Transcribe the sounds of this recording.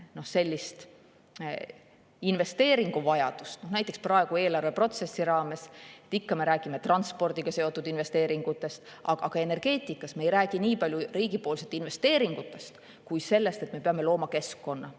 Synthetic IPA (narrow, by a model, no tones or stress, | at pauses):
nohse̞lʲːist̪ | inve̞st̪e̞ːɾiŋɡ̥uvɑjɑd̪̥ust̪no̞hnæjt̪ːˑeksprɑeɡ̥ue̞ːlɑrve̞pro̞t̪se̞sːiɾɑːme̞set̪ːˑikːɑme̞ɾæːɡ̥ime̞t̪rɑnt̪spo̞rd̪̥iɡ̥ɑse̞o̞t̪ːˑud̪inve̞st̪e̞ːɾiŋɡ̥ut̪ːˑe̞st̪ | ɑ̰ɡ̥ɑɡ̥ɑe̞ne̞rɡ̥e̞ːt̪ˑikːˑɑsmejɾæːɡ̥iniːpɑlʲjuriːɡ̥ipo̞ːlse̞t̪ːˑinve̞st̪e̞ːɾiŋɡ̥ut̪ːˑe̞st̪ | kujse̞lːe̞st̪e̞t̪me̞pe̞ɑme̞lo̞ːmɑke̞skːo̞nːɑ